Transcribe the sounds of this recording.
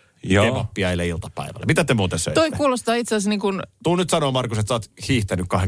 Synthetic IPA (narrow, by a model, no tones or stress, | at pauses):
joepɑpːiɑilːeilt̪ɑpæ̰iʋæ̰l̰ːmit̪æt̪emuːt̪ensø̰it̪oiekuːlost̪ɑːit̪seæsniːŋkunt̪unyt̪sɑnoːmɑrkuset̪sɑːt̪hiːht̪ænykkɑheŋ